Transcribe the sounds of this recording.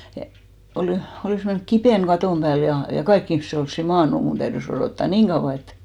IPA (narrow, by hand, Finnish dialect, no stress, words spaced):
jɑ oliˑ oliˑs menːy̆k kipeˑn ɡ̊ɑtoˑm b̥æːl jɑ jɑ kɑik ihmĭse olsːi mɑːnːu mun tæyðys oroˑtːɑ niːŋ ɡ̊ɑuw̆ɑ et